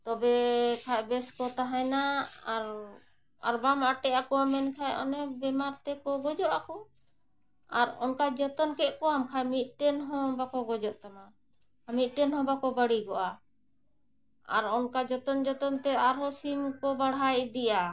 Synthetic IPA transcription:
t̪ɔbɛkʰajbɛskɔt̪aɦajnaaɾ | a̰ɾbamaʈɛʔakɔamɛnkʰajɔ̰nɛbɛmaɾt̪ɛkɔɡɔd͡ʒɔʔakɔ | aɾɔnkad͡ʒɔt̪ɔnkɛʔkɔamkʰajmit̪̚ˀʈɛnɦɔ̃bakɔɡɔd͡ʒɔʔt̪ama | amit̪̚ˀʈɛnhɔ̃bakɔbaɽiɡɔʔa | a̰ɾɔnkad͡ʒɔt̪ɔnd͡ʒɔt̪ɔnt̪ɛaɾɦɔsimkɔbaɽɦajd̪ɛja

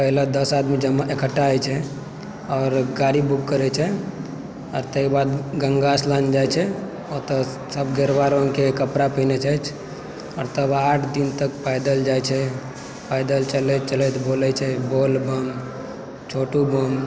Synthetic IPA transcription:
pəɦlad̪əsad̪mid͡ʒəmːaʔekəʈːaɛt͡ʃʰɛ | ɔːɾɡaɾibukkəɾɛt͡ʃʰɛ | ɔːɾt̪əikbad̪ɡəŋɡasland͡ʒajt͡ʃʰɛ | ot̪ɔ | səbɡeɾbaɾonkekəpɾapənɛt͡ʃat͡ʃʰ | ɔɾt̪əbaʈʰd̪int̪əkpajd̪əld͡ʒajt͡ʃʰɛ | pajd̪əlt͡ʃəlɛt͡ʃəlɛt̪bolɛt͡ʃʰɛbolbəm | t͡ʃʰoʈubəm

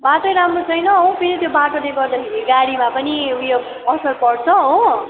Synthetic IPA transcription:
baʈojɾamrot͡sʰʌjnʌɦõpʰiɾit̪jobaʈoneɡʌrd̪ʌkʰeɾiɡaɽimapʌniujo | ʌsʌrpʌɽt͡sʰʌɦo

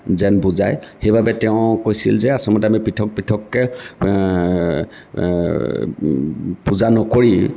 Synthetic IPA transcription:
zɛnbuzajxejbabɛtɛʊ̃kojsḭlzɛasɔmɔtɛamipitʰɔk̚pitʰɔkːɛ | puzanɔkoɹi

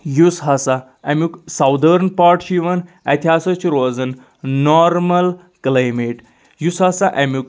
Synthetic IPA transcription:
jusɦasa | ɛmjuksawd̪ʱəɾnpaɾʈɕiʋən | ɛt̪ʰasɐt͡ɕiɾoːzənː | ɔɾməl | klajmeʈ | jusɦasaʔɛmjuk

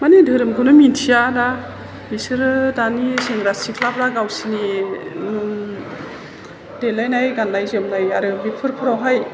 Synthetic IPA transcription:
manidɯɾɯmɡɯnɯmintʰijada | bisɯɾɯdaniseŋɾasikʰlapɾaɡawsini | delajnajɡanːajzɯmnajaɾɯbipʰɯɾpʰɯɾawɦaj

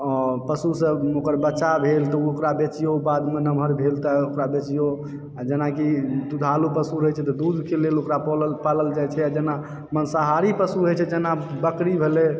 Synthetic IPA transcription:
ɔpəsusəokəɾbətːt͡ʃʃabʱelt̪ɔokɾabet͡ʃijobad̪menəmʱəɾbʱelt̪aokɾabet͡ʃijo | ad͡ʒenakid̪ud̪ʱalupəsuɾəjt͡ʃʰɛt̪ɔd̪ud̪ʱkelelokɾapɔləpaləld͡ʒajt͡ʃʰɛad͡ʒena | mənsaɦaɾipəsuɾəjt͡ʃʰɛd͡ʒenabəkɾibʱele

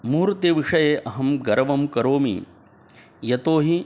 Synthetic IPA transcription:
muːɾt̪eːʋiʂɐjeːʔɐɦɐmɡɐɾɐʋɐmkɐɾoːmḭ | jɐt̪oːɦi

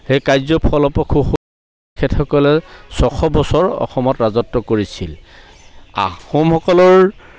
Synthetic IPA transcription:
hejkajzɔpʰɔlɔpɔkʰuxu | kʰɛtxɔkɔlɛsɔxʰɔbɔsɔɹɔ̰xɔmɔtɹazɔtːɔkoɹisil | a̰xomhɔkɔlɔɹ

